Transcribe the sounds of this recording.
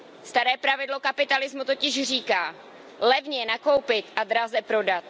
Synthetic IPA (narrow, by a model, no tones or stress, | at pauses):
st̪aɾɛːpɾavɪdlo̞kapɪt̪alɪzmut̪o̞cɪʒr̝iːkaː | lɛvɲɛnako̞wpɪt̪ʔad̪ɾazɛpɾo̞dat̪